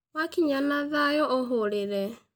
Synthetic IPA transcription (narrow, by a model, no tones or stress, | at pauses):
wakɪɲanaðajɔʔɔɦʊɾɪɾɛ